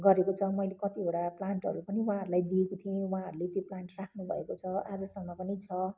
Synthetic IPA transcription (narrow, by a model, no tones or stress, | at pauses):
ɡʌɾekot͡sʰʌmʌjlekʌt̪ibʱeɽaplaɳʈɦʌ̰ɾupʌniwɦãɦʌɾulajd̪iekot̪ʰiẽwɦãɦʌɾulet̪joplaɳʈrakʰnubʱʌ̰ekot͡sʰʌad͡zʌsʌmːʌpʌnit͡sʰʌ